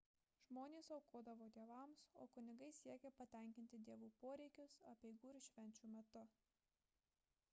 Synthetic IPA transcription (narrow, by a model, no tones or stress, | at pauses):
ʒmoːnʲeːsɐʊkoɔd̪ɐʋoːd̪ʲiɛʋɐˑmsoːkʊnʲɪɡɐɪsʲiɛkʲɛpɐt̪ʲɛˑŋʲkʲɪnʲt̪ʲɪd̪ʲiɛʋuːpoːɾʲɛɪkʲʊsɐpʲɛɪɡuːɪɾʃʲʋʲɛnʲt͡ʃʲuːmʲɛt̪ʊ